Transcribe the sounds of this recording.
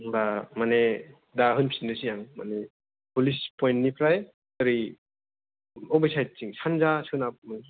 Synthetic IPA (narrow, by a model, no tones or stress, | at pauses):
bamane | daɦɯnpʰsindɯsijaŋma̰ne | pulispɔjntnipʰɾaj | əɾi | ɔbajsajt̚t͡ʃiŋsʰanzasɯnap̚mɯn